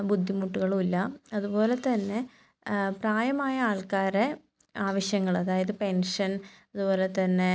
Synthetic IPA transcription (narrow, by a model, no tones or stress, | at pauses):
bud̪ʱːimuʈːuɣɐɭumilːɐɐðubo̞ːle̞t̪ɐnːe̞ | praːjɐmaːjɐaːɭkaːɾe | aːʋɐɕjɐŋːɐɭɐðaːjɐðɨpe̞nʂɐnɐðubo̞ːle̞t̪ɐnːe̞